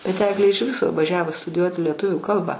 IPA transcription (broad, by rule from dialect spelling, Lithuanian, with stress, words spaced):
bʲɛt ˈæːɡlʲeː ɪʃ ˈʋʲɪsoː ʋɐˈʒʲæːʋoː stʊdʲɪˈjuɔtʲɪ lʲiɛˈtʊʋʲuː ˈkɐlˠbɐ